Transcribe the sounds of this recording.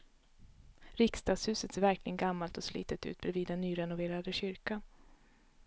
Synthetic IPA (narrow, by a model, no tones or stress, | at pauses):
ɾɪkst̪ɑːɡ̪shʉ̟ːsət̪seːvæɾklɪɡənɡamːalt̪ɔslḭːt̪ət̪ʉ̟̰ːt̪̚bɾɛviːd̪ːɛnːyːɾɛnʊveːɾad̪əɕʏɾkan